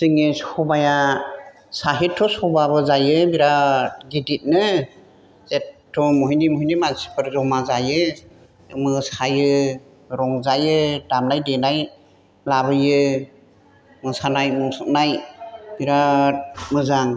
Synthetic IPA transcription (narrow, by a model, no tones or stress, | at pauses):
siŋesubaja | saɦitʰːɔsɔbabɯzajɯbiɾaɡidit̚nɯ | zettʰːɔmɔɦinimɔɦinimazipʰɯɾzɔmazajɯ | mɯsajɯ | ɾɔŋzajɯdamnajdenaj | laβɯjɯ | mɯsanajmɔŋsɯk̚najbiɾa | mɯzaŋ